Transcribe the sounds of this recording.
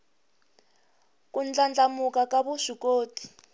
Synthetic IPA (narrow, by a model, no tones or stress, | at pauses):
kund͡ɮand͡ɮamukakaβuʂikoːtʰi̥